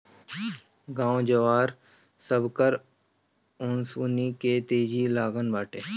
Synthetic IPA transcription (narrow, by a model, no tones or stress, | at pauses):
ɡãːõd͡ʒəʋaːɾ | səbkəɾ | ʊnsuːniːkeːt̪eːd͡ʒiːlaːɡənbaːʈeː